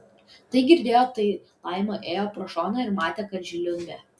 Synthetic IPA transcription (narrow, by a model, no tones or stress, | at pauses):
t̪ɐɪɡʲɪɾʲd̪ʲeːjoːt̪ɐɪlˠɑɪmoːʔeːjoːpɾɔʃoːnɐɪɾmɑːt̪ʲɛkɐɾʲd͡ʒʲɪlʲʊŋʲɡʲɛː